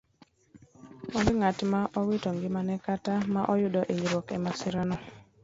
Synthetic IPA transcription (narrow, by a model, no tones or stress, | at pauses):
wandɪŋatmaʔɔwɪtɔŋɡɪmanɛkatamaʔɔjʊdɔʔeɲibɔkɛmasɪɾɔnɔ